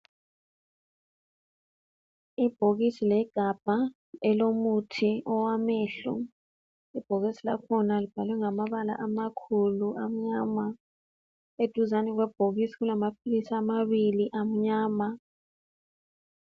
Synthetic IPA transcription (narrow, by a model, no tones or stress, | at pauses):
ib̥ʱoɣ̬isilɛɡ̥ʱab̥ʱa | ɛlomutʰiɔwamɛːɬṵ | ib̥ʱoɣisila̰kʰɔnalib̥ʱalwɛŋamaɓala̰ʔamakʰuluʔam̩ɲama | ed̥ʱuzanɛk̬wɛb̥ʱoɣisiɣulamap̚ʰilisaːmaβiliʔam̩ɲaːma